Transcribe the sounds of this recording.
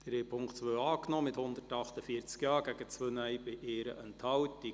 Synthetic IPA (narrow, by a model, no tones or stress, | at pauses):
d̥̪ɾeːpʰʊŋktt͡sʋøːɑːknɔːmɪthʊnd̪ərtɑχtəfiəɾt͡skjɑːɡ̥æɡət͡sʋøːnœjbɪʔeːɾəʔɛnthɑwtːi